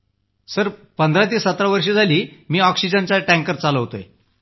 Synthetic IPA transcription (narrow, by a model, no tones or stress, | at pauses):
səɾpənd̪ʱɾat̪̬iːsət̪ɾaʋəɾʂ̬iːd͡zʱaliːmiːɔksid͡ʑənt͡saʈæ̃ŋkəɾt͡saləʋt̪o̰jḛ